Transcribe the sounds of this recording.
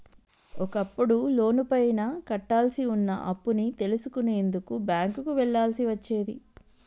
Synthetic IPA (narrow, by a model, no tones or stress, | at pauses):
ɔkɐpːuɽulo̞ːnupɐjnɐkɐʈːaːlsiunːɐ̰ʔɐpːunit̪e̞lusukune̞ːnd̪ukubjaːŋkukuʋɛɭːaːlsiʋɐt͡ʃːeːd̪i